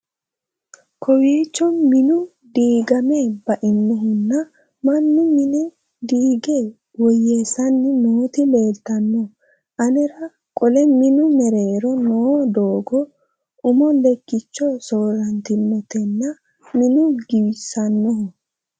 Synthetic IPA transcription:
kʰɔweːt͡ʃːɔnmɪnʊ | d̪iːɡɐmebɐʔɪnːɔɦʊnːɐ | mɐnːʊmɪnɛ | d̪iːɡeː | wɔjeːsɐnːɪnoːt̪ɪle̞ːlt̪ːɐnːɔ | ʔɐnɛɾɐ | kʼɔlɛmɪnʊmɛɾeːɾɔnoːd̪oːɡɔ | ʊmɔnd̪ɛkːɪt͡ʃːɔsoːɾɐnt̪ɪnːɔt̪ɛnːɐ | mɪnʊɡɪwɪsɐnːɔhʊ

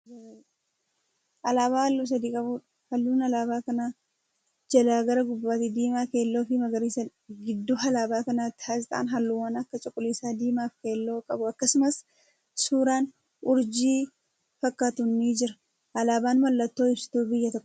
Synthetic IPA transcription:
ʔɐlaːβaːhɐlːuːs̬ɐd̪iːkʼɐbuːᶑɐ̥ | hɐlːuːnɐlaːbaːkɐnaː | d͡ʒɐlaːɡɐɾɐɡʊbːaːt̪ɪd̪iːmaːke̞ːlːo̞ːfɪmɐɡɐɾiːsɐ | ɡɪd̪ːuːhɐlaːbaːkɐnaːt̪ːɪ̥haːsɪt̪ʼa̰ːnɦɐlːuːwɐnɐkːɐt͡ʃʼʊkʼːʊliːsaːd̪iːmaːfke̞ːlːo̞ːkʼɐbʊɐkːɐsʊmɐs | suːɾaːn | ʔʊɾd͡ʒiː | fɐkʼːat̪ʊnːiːd͡ʒɪɾɐ̥ | ʔɐlaːbaːnmɐlːɐt̪ːoːɪbsɪ̥t̪uːbɪjːɐt̪ɔkːɔ̥

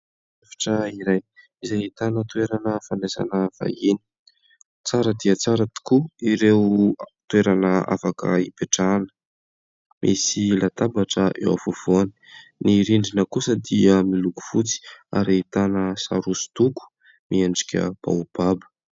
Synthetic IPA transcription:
afi̥ʈ͡ʂəiɾaj | izajit̪anət̪ueɾanəfanesa̰nəv̥a̰jini̥ | t͡saɾəd̪iət͡saɾət̪i̥kuiɾewt̪ueɾanəa̰fakə̰ipeʈ͡ʂanə̥ | mʔisilat̪abaʈ͡ʂəʔḛwa̰fuvoni̥niɾiɳɖ͡ʐinəkusəd̪iəmiluku̥fut͡si̥a̰ɾiit̪anəsa̰ɾusu̥t̪uku̥ | miaɳɖ͡ʐikʲə̰b̥a̰b̥abə̥

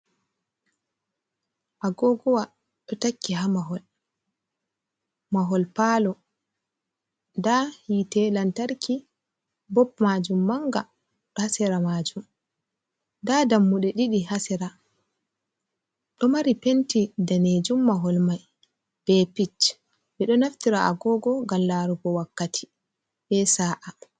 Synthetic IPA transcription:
ʔaɡɔɡɔwa | ɗɔtakːiɦamaɦɔl | maɦɔlpaːlɔ | dahitɛlantaɾkʰi | bɔpmad͡ʒumːaŋɡa | ɗɔhasɛɾamaːd͡ʒum | dadamːuɗɛɗiɗiɦasɛɾa | ɗɔmaɾipentidaned͡ʒumːaɦɔlmaj | b̥ɛpit͡ʃ | bɛɗɔnaftiɾaa̰ɡɔɡɔɡamlaɾubɔwakːatʰi̥ | bɛsaːʔa

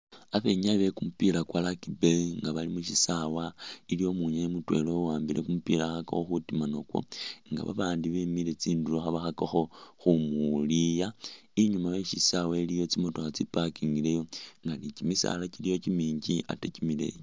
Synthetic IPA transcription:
aβe̞ɲaβe̞kumupilakwalakibeŋɡaβalimuʃisawailijo̞muɲajemutwe̞̰lo̞waːmbilʔekumupilaxaka̰xoxutimanokwo̰ŋɡa̰βa̰βaːndiβemile̞t͡siːnduloxaβaxakoxo̞xumulija | iɲumajeʃisawailijo̞t͡simo̞toxat͡sipakiŋɡilejo̞ŋɡanicimisa̰lacilijo̞cimiːɲɟia̰tecimile̞̰jo

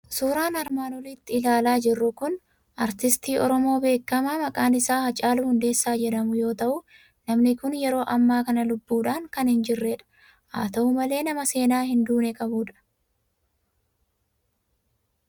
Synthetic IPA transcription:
suːɾaːnɐɾmaːnɔliːt̪ːɪɪlaːlaːd͡ʒɪrːʊkʊn | ʔɐɾt̪ɪst̪iːʔɔɾɔmo̞ːbe̞ːkːɐmaːmɐkʼaːnɪsaːhɐt͡ʃʼaːluhʊnd̪e̞ːsːaːd͡ʒɛᶑɐmʊjo̞ːt̪ɐʔʊ | nɐmnɪkʊnjɛɾo̞ːʔɐmːaːkɐnɐlʊbːuːᶑaːŋkɐnhɪnd͡ʒɪrːeᶑɐ̥ | ʔa̰ːt̪ɐʔʊmɐle̞ːnɐmɐse̞ːnaːhɪnd̪uːnɛkʼɐbuːᶑɐ̥

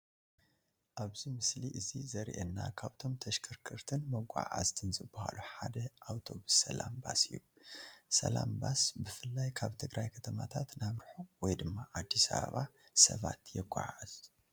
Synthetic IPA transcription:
ʔaβzimɨsliʔɨzizɐɾʔɛnːakʰaβt̪ʰo̞mt̪ʰɐʃkʰɨɾkʰɨɾt̪ʰɨnmɐɡʷa̰ʕʕa̰zt̪ʰɨnzɨbːɐha̰luħad̪ɐʔawt̪ʰo̞βɨsːɐlambasɨ̰jːu | sɐ̰lambasbɨfɨlːajkʰaβt̪ʰɨɡɾʔajkʰɐt̪ʰɐmat̪ʰat̪naβɾħowɔjd̪ɨmːaʔad̪ːisaβa̰βasɐ̰βa̰t̪jɛɡʷa̰ʕaz̥

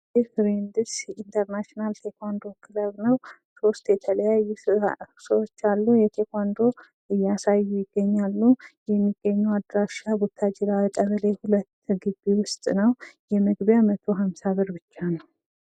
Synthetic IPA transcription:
jɛfɾind̪ɨsint̪ʰəɾnaʃnalt̪ʰekʰʷand̪o̞kʰɨləβnəw | so̞st̪jɛt̪ʰələjajːusəwot͡ʃːalːujɛt̪ʰekʰʷand̪o̞ | ɨjːasajːujɪɡ̥ːəɲːalːujɛmːiɡ̥ːəɲːɛwad̪ɾaʃabut̪ʰːad͡ʒilawit̪ʼəβəlehulət̪ːɡɨbːiwʊst̪ʼnəwjɛmɨɡbjamət̪ʰo̞ɦamsaβɨɾbɨt͡ʃːanəw

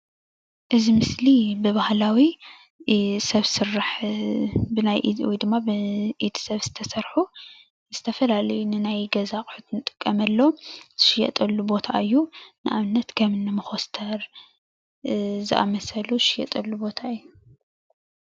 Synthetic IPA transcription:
ʔɨzimɨslibɨβahlawi | sɐβsɨɾaħ | bɨnajʔiwjd̪ɨmːabɨʔet̪ʰi̥sɐβz̥ɨt̪ʰɐsɐɾħu | zɨt̪ʰɐfɐlalɐjunɨnajɡɐzaχʼħut̪nɨt̪ʼɨ̥kʼːɐmɐlːo̞z̥ɨʃɪjɛ̰t̪ʼɐlːubo̞t̪ʰa̰ʔɨjːunɨʔaβɨnːɐt̪kʰɐmɨnːɨmɨxo̞st̪ʰɐɾ | zɨʔa̰mɐsɐluʃɪjɐ̰t̪ʼɐlːubo̞t̪ʰaɨjːu

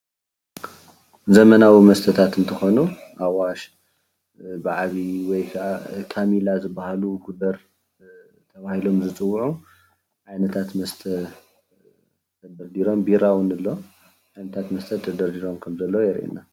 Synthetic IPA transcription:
zɐmɐnawimɐst̪ʰɐt̪ʰat̪ɨnt̪ʰɨxo̞nuʔawaʃ | bɨʕaβiwɔjkʰɐʔakʰamilazɨbːahaluɡud̪ɐɾ | t̪ʰɐβahilo̞mzɨt͡sʼɨwːʕu | ʕajnɐt̪ʰat̪mɐst̪ʰɐ | t̪ʰɐd̪ɐɾd̪iɾo̞mbiɾawɨnɨlːo̞ | ʕajnɐt̪ʰat̪mɐst̪ʰɐd̪ʰɐd̪ɐɾd̪iɾo̞mkʰɐmzɐlːɐwjɛɾʔḭna

